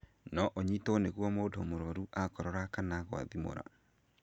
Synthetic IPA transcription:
nɔʔoɲitoneɣwɔmoːdomoɾɔɾuʔakɔɾɔɾakanaɣwa̰ðimo̰ɾa̰

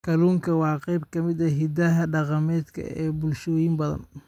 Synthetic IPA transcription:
kʰɐluːŋkʰɐwɑːqɑjb̚kʰɐmɪd̪ɐɦɪd̪ɐɦɐɖɑqɑmɛːd̪kʰɐ̰ɛːbʊlʃɔːjɪmbɐðɐ̰n

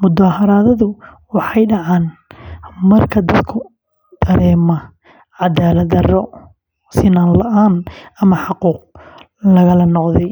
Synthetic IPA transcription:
mʊd̪aːhɐɾaːðɐðʊ | wɑħɑjɖɑʕɑːn | mɐrkʰɐd̪ɐd̪kʰʊ | d̪̥ɐɾɛːmɐ | ʕɑd̪aːlɐd̪ɐrɔ | sɪnaːnlɐʔaːnɐmɐħɑquːq̚ | lɐɣɐlɐnɔqðɛj

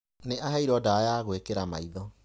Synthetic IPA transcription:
neaɦaiɾɔdajaɣwekeɾamaiðɔ

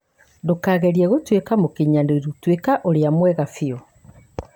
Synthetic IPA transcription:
ndokaːɣɛɾiɛɣotwekamokeɲandoɾotwekaʔoɾeamwɛɣafiɔ

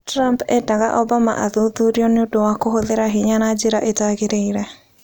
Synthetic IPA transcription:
tɾampɛ̰daɣa̰ʔɔbama̰ʔaðuðuɾiɔnɪodowakoɦoðeɾaɦiɲanad͡ʒeɾaʔetaɣeɾeiɾɛ

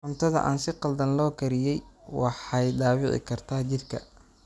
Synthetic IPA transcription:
ħʊmt̪ʰɐðɐ̰ʔa̰ːnsɪqɑld̪ɐnlɔːkʰɐɾɪjɛjwɑħɑjd̪ɑːwɪ̰ʁɪ̰kʰɐrt̪ʰaːt͡ʃɪrkʰɐ̰

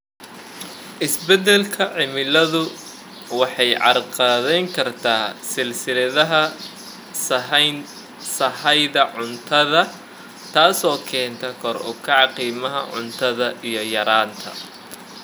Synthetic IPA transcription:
ʔɪsbɛd̪ɛlkʰɐʕɪmɪlɐðʊ | wɑħɑjʕɑ̰rqɑːðɛjŋkʰɐrt̪ʰaːsɪlsɪlɐðɐɦɐ | sɐn | sɐhɛjðɐʕʊnt̪ʰɐðɐ | t̪ʰaːsɔːkʰɛːnt̪ʰɐkʰɔrʊ̰kʰɐʕɑqiːmɐɦɐ̰ʕʊ̰nt̪ʰɐðɐʔijɞjɐɾaːnt̪ʰɐ̰

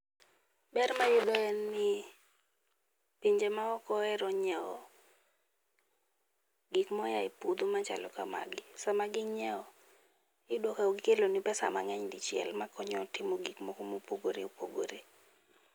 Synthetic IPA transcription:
bɛrmajʊd̪ɔɛnːɪ | piɲd͡ʒemaɔkɔɛɾɔɲɛɔ | ɡikmɔjaɪpud̪omat͡ʃa̰lɔka̰ma̰ɡɪsamaɡɪɲɛɔ | ɪdwokaoɡikelonipɛsa̰ma̰ŋɛɲdɪt͡ʃɪɛ̰lmakɔɲɔtɪmoɡikmɔkomopoɡoɾḛopoɡoɾe

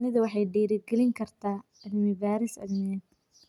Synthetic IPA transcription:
nɪðɐwɑħɑjɖiːɾɪɡɛlɪŋkʰɐrt̪ʰaː | ɐðɪmɪvaːɾɪsɐ̰ðmɪɛ

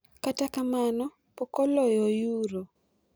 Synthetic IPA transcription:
katakamanɔ | pɔkɔlɔjɔjuɾo

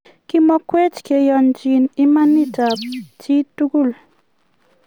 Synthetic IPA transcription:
kimɔkwet͡ʃkejɔnt͡ʃinimanitap̚t͡ʃit̪ukul

